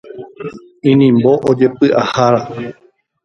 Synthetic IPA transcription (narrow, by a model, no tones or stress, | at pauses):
ĩnĩmbo̞ʔod͡ʒe̞pɨʔahaɾa